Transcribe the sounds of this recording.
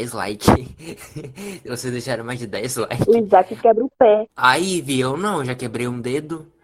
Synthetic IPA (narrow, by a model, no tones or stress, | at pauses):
jzla̰jkɪ | vosezd̪ejʃaɾɐ̃majzd͡ʒɪd̪ɛjzla̰jkuĩd͡ʒzakɪkɛbɾũpɛaiviewnɐ̃w̃ʒakebɾejũd̪ed̪ʊ